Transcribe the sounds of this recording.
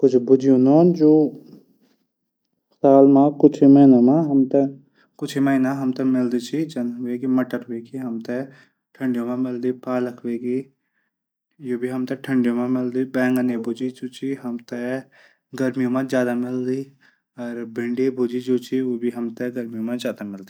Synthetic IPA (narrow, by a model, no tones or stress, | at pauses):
kʊt͡ʃʰbʊd͡ʒijõnoːnd͡ʒoː | xt̪aːlmãːkʊt͡ʃʰimeinamãɦɐmt̪e | kʊt͡ʃʰimɐinãɦɐmt̪ɐmɪld̪it͡ʃʰid͡ʒɐnʋeːɡimɐʈəɾʋeːkiɦɐmt̪ɛ | ʈʰə̃ɳɖjõmãmɪld̪ipaːləkʰʋeːɡi | joːbʱiɦɐmt̪eʈʰə̃ɳɖjõmãmɪld̪ibɛ̃ːŋɡənebʊd͡ʒid͡ʒoːt͡ʃʰiɦɐmt̪e | ɡəɾmijõmãzjaːd̪amɪld̪i | ɔɾbɪ̃ɳɖibʊd͡ʒid͡ʒoːt͡ʃʰiʋoːbʱiɦɐmt̪ɛɡɐɾmijõmãzjaːd̪amɪld̪i